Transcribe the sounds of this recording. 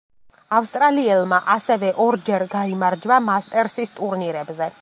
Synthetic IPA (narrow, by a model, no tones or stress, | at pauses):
afst̪ʼɾaliɛlˠmaʔasɛvɛʔɔɾd͡ʒɛɾɡaimaɾd͡ʒbamast̪ʼɛɾsist̪ʼuɾniɾɛbzɛ